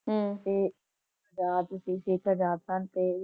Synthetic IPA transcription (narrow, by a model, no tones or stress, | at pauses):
ɦːt̪eː | əd͡ʒaːt̪ʊsĩːsɪkʰəd͡ʒaːt̪sənt̪eː